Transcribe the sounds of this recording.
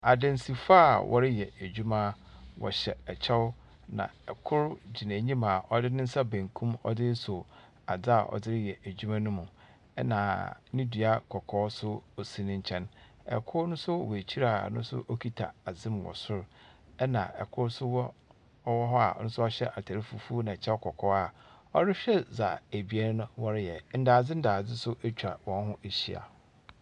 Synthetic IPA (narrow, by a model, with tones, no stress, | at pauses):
a˨dɪ̃˨n̩˦si˨fa˦˨wʔɔ̰˦ɾɪ˦jɛ˨æ˨d͡ʑᶣu˦mã˦ | wɔ̰˨ɕɛ˨ɛ˨t͡ɕʰɛ˦wʊ˦ | nã̰˨ɛ˨kʰʊ˦ɾd͡ʑi˨nã˨ɲĩ˦mã˨ʔɔ˦dɪ˦nɪ̃˦n̩˦sa˦bæ̃˨ŋkʰũ˦mɔ̰˦dɪ˦so˨ | a̰˨d͡za˦˨ʔɔ̰˨dɪ˦ɾɪ˦jɛ˨ʔæ˨d͡ʑu˦mã˦nʊ̃˦mʊ̃˨ | ɛ̰˦nãː˨˦nɪ̃˦dɥa˦kʰɔ˨kʰɔː˦sʊ˦o˨sĩ˨nɪ̃˦ɲ̩˦t͡ɕʰɛ̃˦n | ɛ̰˨kʰʊ˦nʊ̃˦sʊ˦˨we˨t͡ɕʰi˦ɾa˦˨nʊ̃˦sʊ̰˦ʔo˦kʰi˦tʰa˨a˨zɪ̃˦m˨wɔ̰˨sʊ˦ɾ | ɛ˦nã̰˨ɛ̰˨kʰʊ˦sʊ˦wɔ˦ | ɔ˦wɔ˦ɦɔ˦a̰˨˦nʊ̃˦sʊ˦ɔ˦ɕᶣɛ˦ʔa˨tʰa˨ɾɪ˦fu˨˦fu˦nã˨t͡ɕʰɛ˦ɔ˦kʰɔ˨kʰɔ˦a˨ | ɔ˦ɾɪ˦ɕᶣɛ˦za̰˨æ˨bi˨˦ɛ˦nʊ̃˦wɔ˦ɾɪ˦jɛ˨n̩˦daː˨d͡zɪ˦n̩˦daː˨d͡zɪ˦sʊ˦ʔe˦t͡ɕᶣʰa˨wɔ̃˨n˦ɦʊ̃˦ʔe˨ɕḭ˦a̰˨